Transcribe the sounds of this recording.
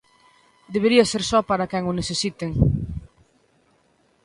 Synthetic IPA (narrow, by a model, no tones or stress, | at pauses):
d̪eβ̞eɾiɐseɾsɔpaɾɐkɛŋʊneθesit̪eŋ